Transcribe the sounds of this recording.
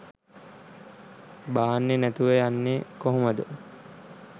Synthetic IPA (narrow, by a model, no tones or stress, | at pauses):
baːnːenæt̪uʋəjanːekoɦoməd̪ə